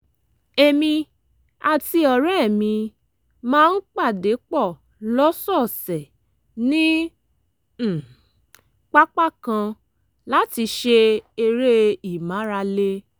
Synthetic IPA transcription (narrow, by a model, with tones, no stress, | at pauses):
e˧mĩ˧ | a˧ti˧ɔ˨ɾɛ˦˨mĩ˧ | mãː˦˧n̩˦k͡pa˦˨de˨˦k͡pɔ˦˨ | lɔ˦sɔ˦˨sɛ˨ | nĩ˦˨ | k͡pa˦k͡pa˦˨kã˧ | la˦ti˧ʃe˧e˧ɾe˦i˨mã˨˦ɾa˧le˦